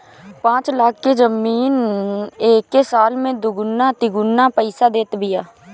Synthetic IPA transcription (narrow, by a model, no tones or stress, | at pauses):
pãːt͡ʃlaːkʰked͡ʒəmiːneːkːesaːlmẽd̪ʊɡʊnːat̪ɪɡʊnːapəɪsad̪eːt̪bɪjaː